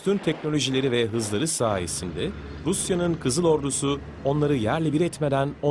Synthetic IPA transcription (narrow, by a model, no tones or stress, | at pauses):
t̪ʰynt̪ʰɛcno̞lʲo̞ʒilʲe̞ɾivɛɦɯzlˠaɾɯsaːje̞̰sind̪ɛ | ɾusjanɯnkʰɯzɯlˠo̞ɾd̪usu | o̞nlˠaɾɯjæɾlʲɛbiɾɛt̪me̞d̪æno